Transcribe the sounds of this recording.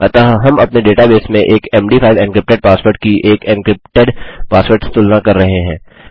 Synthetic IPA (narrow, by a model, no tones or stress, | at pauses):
ɐt̪aɦɦɐmɐpneɖeːʈabeːsmẽʔeːkɛːmɖiːpʰaɪʋɛ̃nkɾɪp̚ʈeɖ̚paːswoɾʈ̚kiʔeːkɛ̃ɳkɾɪp̚ʈeɖpaːspəːɾʈst̪ʊlnakɐɾːɐɦeɦɛ̃ː